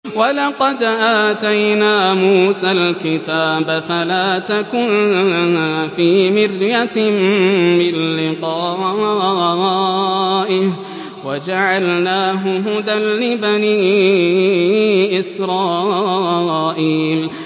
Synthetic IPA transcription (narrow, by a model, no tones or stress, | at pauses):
walɑqɑd̪ʔaːt̪ajnaːmuːsalkɪt̪aːbafalaːt̪akʊnahaːfiːmɪrjammɪnːɪqɑː | ʔɪh | wad͡ʒaʕalnaːɦʊɦʊd̪anlɪbaniː | ʔɪsɾˤɑː | ʔiːl